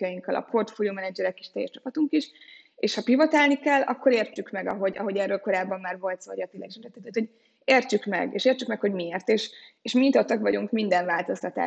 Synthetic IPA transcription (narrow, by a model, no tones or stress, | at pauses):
jɒjiŋkːɒlɒ̰pʰo̞rt̪folijoːmɛnɛd͡ʒɛɾɛki̥ʃt̪ɛ̰jɛ̰ʃt͡ʃɒ̥pɒt̪uŋkiʃ | eːʃhɒpivɒt̪aːlnikɛlːɒ̰kːo̞ɾeːrt͡ʃykmɛɡɒ̰ɦo̞ɟɒ̰ɦo̞ɟɛrːølko̞ɾaːbːɒmːaːrvo̞lt̪so̰ːjɒt̪ilːɛ̰ɡiʃmt̪ɛt̪ːɛt̪ːaːt̪oɟ | eːrt͡ʃykmɛ̰ɡḛːʃeːrt͡ʃykmɛkhoɟmieːrt̪eːʃeʃmint̪ot̪ːɒkʋɒɟuŋkmind̪ɛɱvaːlt̪o̞st̪ɒt̪a̰ː